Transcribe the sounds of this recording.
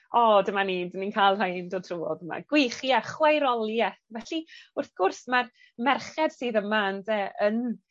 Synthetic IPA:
ɔdəmaniːdəninkʰalˠrajndɔtʰruːɔ̰ðəma̰ɡ̥wɪχjaχwajɾɔlˠjɛθvɛɬiʊrθɡ̥ʊrsmar | mɛrχɛd̥sɨːðəmaəndɛən

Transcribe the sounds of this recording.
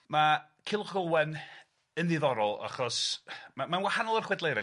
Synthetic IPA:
ma | kʰɪlˠχɔwɛn | ənðiðɔɾɔlˠa̰χɔsmamanwahanɔlˠərχwɛdlˠejɾɛ

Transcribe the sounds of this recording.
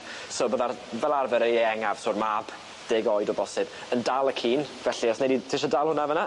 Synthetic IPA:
soːboːðavɛlˠarvɛɾejeɛŋav̥sʊːrmab̥ | d̥ɪːɡɔjdɔbɔsɨb̥ | əndalˠəkʰiːnvɛɬiɔsneditʰɪʃadalˠhʊnavəna

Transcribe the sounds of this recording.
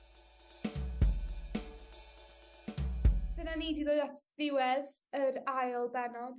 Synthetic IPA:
b̥ənaniːdiðoːatʰvɪwɛð | əɾajlˠbɛnɔd̥

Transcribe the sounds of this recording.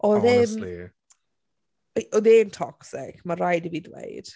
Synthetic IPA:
ʔɔðen | ɔðeːmtʰɔksɪ̰kʰmarajdiviːdwḛjd̥

